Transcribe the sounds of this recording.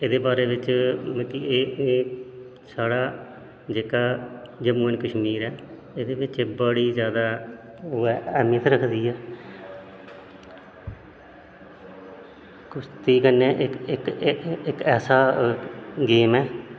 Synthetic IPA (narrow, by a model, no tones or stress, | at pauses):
eːd̪eːbaːɾeːʋɪt͡ʃmək̪ieː | saːɽaː | d͡ʒeːkaː | d͡ʒəmuːənkəʃmiːɾɛː | eːd̪eːʋɪt͡ʃːbəːɽiːzjaːd̪aː | ɛːmiːət̪ɾəkʰd̪iːɛː | kʊst̪iːkənːeːʔɪɪkɪkɛːsaː | ɡeːmɛː